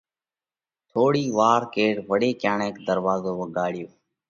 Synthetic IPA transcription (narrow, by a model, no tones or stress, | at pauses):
t̪ʰoːɽiːʋaːɾkeːʈʋəɽeːkjaːɳeːkd̪əɾʋaːzoːʋəɠaːɽɪjoː